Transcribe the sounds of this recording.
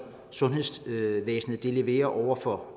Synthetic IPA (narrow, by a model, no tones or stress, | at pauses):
sɔ̽nɦe̝sʋeːsn̩ð̩ˠd̥e̝le̝ʋe̝̰ːɐʔɒʊ̰ɐfɒ̽